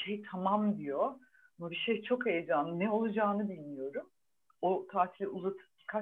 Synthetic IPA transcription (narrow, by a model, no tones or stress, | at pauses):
ʃejt̪ʰamamd̪ijo̞ | amabiʃejt͡ʃʰo̞kejed͡ʒaːnɯnɛo̞lˠad͡ʒaːnɯbilʲmijo̞ɾum | ot̪ʰaːsilʲɛuzat̪ʰɯ̥ki̥kʰa